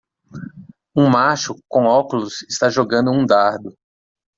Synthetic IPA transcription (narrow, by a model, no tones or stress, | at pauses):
ũmaʃʊkõw̃ɔkulusɪst̪aʒoɡɐ̃nd̪ʊũd̪aɾd̪ʊ